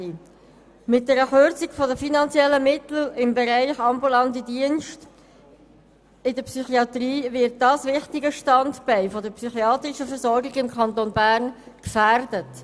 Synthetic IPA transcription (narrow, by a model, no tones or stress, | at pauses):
mɪt̚d̥ɛɾəχøɾt͡sɪɡfɔdəfinɑnt͡sjɛlːəmɪtl̩ɪmbɛɾæɪχɑmbulɑntədiənʃt | ɪdəpsyχiɑt̪riːvɪɾt̚dɑːsvɪχtɪɡəʃtɑntb̥ɛɪfɔdəɾpsyχiɑːt̪rɪʃəfəɾsɔɾɡɪɡɪmkʰɑntonbæːɾn | kfæɾdət